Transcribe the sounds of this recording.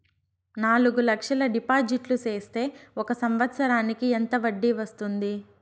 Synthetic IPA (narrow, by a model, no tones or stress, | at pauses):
naːluɡulɐkʂɐlɐɖipaːd͡ʒiʈlut͡ʃeːst̪e̞ːɔkɐsɐmʋɐt̪sɐɾaːnikient̪ɐʋɐɖːiʋɐst̪und̪i